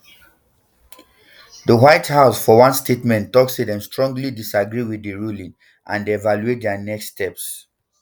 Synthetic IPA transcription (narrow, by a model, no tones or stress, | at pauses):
ðəwaɪthaʊsfɔwãnstʰetmɛ̃ntːɔksidɛ̃mstɹɔ̃ŋɡlidisaɡɹiwiðəɹulĩŋ | ʔã̰ndeːvaluet̚dɛnɛksːtɛps